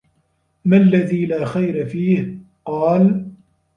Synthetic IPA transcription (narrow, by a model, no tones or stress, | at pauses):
malːaðiːlaːxajɾafiːh | qɑːl